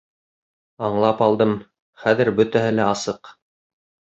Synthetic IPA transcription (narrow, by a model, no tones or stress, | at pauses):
ɑɴlˠɑpɑlˠd̪ɤm | χæðɘɾbɵ̆t̪æɦɘlæɑsɤq